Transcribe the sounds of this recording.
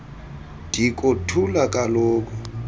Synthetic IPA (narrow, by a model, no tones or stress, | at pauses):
d̥ʱikʼotʰulakʼalɔːk̬ɔ